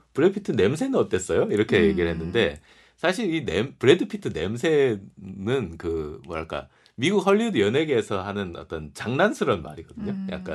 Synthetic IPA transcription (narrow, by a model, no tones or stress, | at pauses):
pɯɾeɯpʰi̥tʰɯne̞ms̬ʰe̞nɯnʌt͈e̞s͈ʌjoiɾʌkʰe̞je̞ɡiɾɯɭɦe̞nːɯnde̞ | sʰaɕʰiɾinempɯɾe̞dɯpʰi̥tʰɯne̞̰msʰe̞nɯnkɯmwʌɾaɭk͈a̰ | miɡuk̚hʌʎːiudɯjʌne̞ɡeːsʰʌɦanɯnʌ̰t͈ʌnt͡ɕaŋnansʰɯɾʌnma̰ɾiɡ̥ʌd̥ɯɲoja̰k̚k͈a̰n